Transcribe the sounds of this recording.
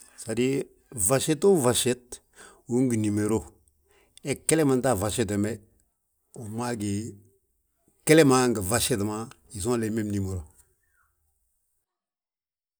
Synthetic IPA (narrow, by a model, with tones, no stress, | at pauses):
sa˨di˦ | va˨ʃe˦to˦va˨ʃe˦t̚ | u˦ŋ˦ɡi˨ni˨me˨ɾo˦˨ | ɛ˨kːe˦le˦ma˨nta˦˨va˨ʃe˦t̬e˨mɛ˦ | u˨ma˦ɡe˨ | ke˦le˦ma˦ŋɡə˨va˨ʃe˦tma˦ | i˨zɔ̃˦le˨˦me˦mni˨me˨ɾo˨